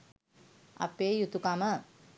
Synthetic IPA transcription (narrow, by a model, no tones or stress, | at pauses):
a̰peːjut̪ukamə